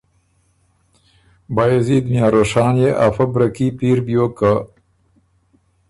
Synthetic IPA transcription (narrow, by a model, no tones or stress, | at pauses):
bajeziːd̪mjaːɾoːʂɑːnjeʔafɐbɾɐkipiːɾbjoːka